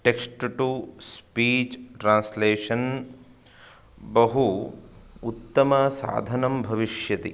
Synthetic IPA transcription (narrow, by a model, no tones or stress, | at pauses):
ʈeksʈʈuspiːt͡ʃʈɾãːnsleːʂɐn | bɐɦu | ut̪ːɐmɐsa̰ːd̪ʱɐnɐmbʱɐʋiʃjɐt̪i